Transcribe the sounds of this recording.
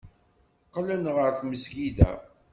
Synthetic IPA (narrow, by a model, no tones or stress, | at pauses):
qlænʁəɾθməsɡid̪æ̰